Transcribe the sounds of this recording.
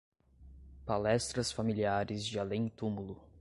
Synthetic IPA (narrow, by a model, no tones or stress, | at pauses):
palɛst̪ɾɐsfamiliaɾɪzd͡ʒɪalẽj̃t̪umulʊ